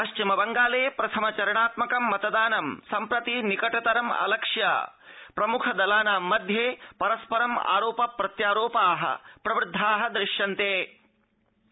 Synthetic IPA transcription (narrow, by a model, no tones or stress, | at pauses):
ɐʃt͡ʃimɐbɐŋɡaːleːpɾɐt̪ʰɐmɐt͡ʃɐɾɐɳaːt̪mɐkɐmːɐt̪ɐd̪aːnɐmsɐmpɾɐt̪inikɐʈɐt̪ɐɾɐmɐ̰lɐkʂjɐ̰ː | pɾɐmukʰɐd̪ɐlaːnaːmːɐd̪ʱjeːpɐɾɐspɐɾɐma̰ːɾoːpɐpɾɐt̪jaːɾoːpaːɦɐ̰pɾɐʋɾɪd̪ʱːaːɦɐd̪ɾɪʃjɐnt̪eː